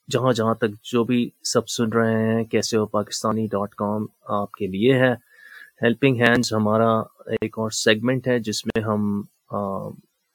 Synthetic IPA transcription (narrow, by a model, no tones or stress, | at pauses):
d͡ʒɐɦãd͡ʒɐɦãt̪ɐk̚d͡ʒoːbʱisɐb̚sʊnɾɐɦeɦɦɛ̃kɛːseoːpaːkɪ̥st̪aːniɖɔːʈkɔːmaːp̚kelieɦɛː | hɛlpɪ̃ŋɡɦɛ̃ːnzɦɐmaːɾaeːkɔːɾsɛːɡmɛ̃ɳʈɦɛd͡ʒɪsmẽɦɐm